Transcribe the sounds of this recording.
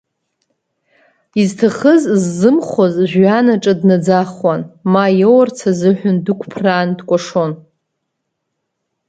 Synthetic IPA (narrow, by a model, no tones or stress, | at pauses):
iztʰaχəzzːɨmχʷozʒᶣʷanaʈ͡ʂʼadnad͡zaχwanmajowart͡sʰazɨħʷᶣʊndɨkʷʰpʰraːndkʷʼaʂon